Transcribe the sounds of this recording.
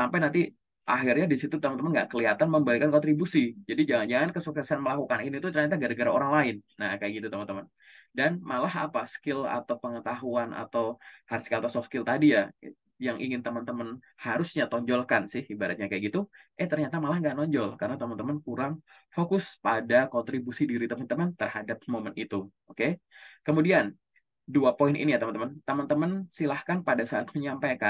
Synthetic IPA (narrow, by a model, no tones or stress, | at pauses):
sampajnant̪i | ʔaɦɪrɲadisit̪ut̪əmənt̪əmənɡaʔkəliɦat̪anməmbalikankɔnt̪ɾibusid͡ʒadid͡ʒaŋand͡ʒaŋankəsuksɛsanməlakukaninit̪ut̪ərɲat̪̬aɡaɾaɡəɾaoɾaŋlaɪnːakajaʔɡit̪ut̪əmant̪əmən | danmalahapaskɪla̰t̪awpəŋət̪aɦuana̰t̪awhaɾskaat̪asɔkskɪlt̪adija | jaŋʔḭŋɪnt̪əmənt̪əmən | haɾʊsɲat̪ɔɲd͡ʒɔlkansɪhibaɾat̪̚ɲakajaɡit̪uʔɛt̪ərɲat̪amalahŋɡanɔɲd͡ʒɔlkarnat̪əmənt̪əmənkuɾaŋ | fokʊspadakɔnt̪ɾibusidiɾit̪əmənt̪əmənt̪ərhadap̚momənit̪uʔokekəmudian | duapoɪnḭnijat̪əmənt̪əmənt̪əmənt̪əmənsilahkanpadasaːt̪̚məɲampajkan